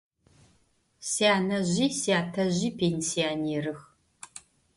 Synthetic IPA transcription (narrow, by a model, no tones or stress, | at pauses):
siaːnɐʑiːsiaːtʰɐʑiːpʰeːnsiaːneːɾɨx